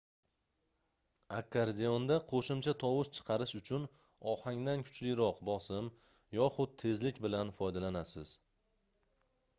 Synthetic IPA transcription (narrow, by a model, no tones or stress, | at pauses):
akʰːaɾd̪eond̪aqʰoʃɪmt͡ʃʰat̪ʰɒwɪʃt͡ʃʰɨ̥qʰɑɾɪʃʊt͡ʃʰʊn | ɒhaŋd̪ankʰʊ̥t͡ʃʰlɪjɾɒqbɒsɪm | jɒχʊd̪̚t̪ʰe̞zlɪkʲbɪlanfɒjd̪alanasɪz̥